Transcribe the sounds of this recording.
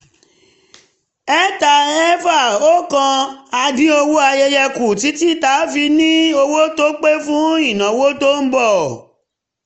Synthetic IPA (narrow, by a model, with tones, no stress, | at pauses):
ɛ˦ta˧ɛ˦fa˦˨o˦kã˧a˧dĩ˨˦o˧wo˦a˧je˧jɛ˧ku˨ti˨˦ti˦ta˨˦fi˧nĩ˦o˧wo˦to˦k͡pe˦fũ˦i˦˨nã˨wo˦to˦m̩˦bɔ˦˨